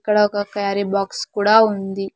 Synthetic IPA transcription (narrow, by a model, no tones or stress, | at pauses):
kːɐɽɐɔkɐkaːɾibaːkskuːɽaːund̪i